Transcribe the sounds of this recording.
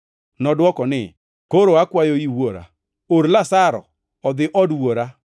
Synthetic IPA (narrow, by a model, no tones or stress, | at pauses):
nɔdʊɔkɔnɪ | koɾoakwajoiwoɾa̰ | oɾlasaɾɔ̰ | ɔðɪʔɔduwoɾa